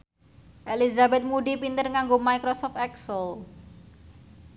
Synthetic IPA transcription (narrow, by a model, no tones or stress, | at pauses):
ʔelizabɛt̪̚muɖipint̪ərŋaŋɡomaikɾosɔft̪ɛksəl